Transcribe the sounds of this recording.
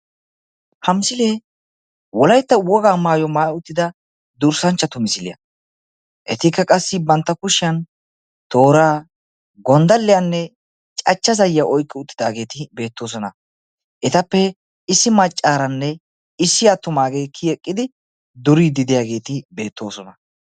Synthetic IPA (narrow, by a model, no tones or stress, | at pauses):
hɐmsɪleː | wɔlɐjt̪ːɐwɔɡaːmaːjɔmaːʊt̪ːɪd̪ɐ | d̪ʊɾsɐnt͡ʃːɐt̪ʊmɪsɪlɪ̰jɐ̰ | ʔɛt̪ɪkːɐkʼɐsːɪbɐnt̪ːɐkʊʃɪɐn | t̪o̞ːɾaː | ɡɔnd̪ɐlːɪjɐnːɛ | t͡ʃʼɐt͡ʃːɐzɐjːaʔɔjkʼːɪʊt̪ːɪ̥d̪aːɡe̞ːt̪ɪbe̞ːt̪ːo̞ːs̬ɔnɐ | ʔɛt̪ɐpːɛ | ɪsːɪmɐt͡ʃʼːaːɾɐnːɛ | ɪsːɪjaːt̪ːʊmaːɡejkʰːiɛkʼːɪd̪ɪ | d̪ʊɾiːd̪ɪd̪ɪjaːɡe̞ːt̪ɪbe̞ːt̪ːo̞̰ːsɔnɐ